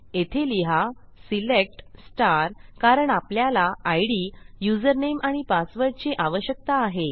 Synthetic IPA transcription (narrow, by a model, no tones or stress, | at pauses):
et̪ʰeliɦasilek̚ʈsʈaɾkaɾəɳapljalaajɽijud͡zəɾnemʔaɽ̃ipasʋəɾʈt͡ɕeʔaʋəɕjək̚t̪aːɦe